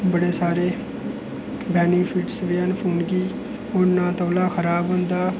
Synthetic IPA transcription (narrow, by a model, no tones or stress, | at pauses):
bəɽeːsaːɾeː | bɛːnɪŋɡpʰiʈsʋeːənpʰuːnɡiː | ʊnãːt̪oːlaːkʰəɾaːbɦʊ̃nd̪aː